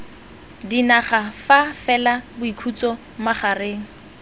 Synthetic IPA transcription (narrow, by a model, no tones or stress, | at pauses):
dinaχafafɛlabʊikʰut͡sɔ | maχareːŋ̩